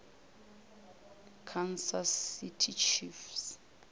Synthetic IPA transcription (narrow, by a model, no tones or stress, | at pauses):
kʰansasitʰit͡ʃʰifs